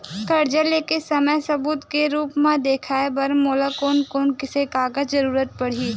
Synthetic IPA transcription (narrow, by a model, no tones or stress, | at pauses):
kɐɾd͡ʒəlekesɐməjsɐbuːt̪keɾuːpmãd̪eːkʰaːebɐɾmoːlakoːnkoːnkɪsekaːɡəzɐɾuːɾət̪̚pɐɽ̤iː